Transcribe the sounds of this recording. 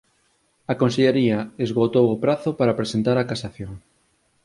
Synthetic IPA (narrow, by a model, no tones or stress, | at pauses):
ɐkonseʎeɾiɐezɣot̪owopɾaθopaɾapɾesent̪aɾakasaθjoŋ